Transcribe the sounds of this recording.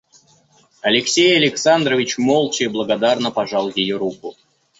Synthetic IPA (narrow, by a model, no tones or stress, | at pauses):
ɐlʲɪksʲejɐlʲɪksand̪ɾəvʲɪt͡ɕmolˠt͡ɕɪblˠəɡɐd̪arnəpɐʐɑlˠjʲɪjoɾukʊ